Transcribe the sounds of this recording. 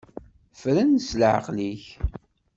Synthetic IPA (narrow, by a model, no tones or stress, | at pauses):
fɾænsləʕə̰qliç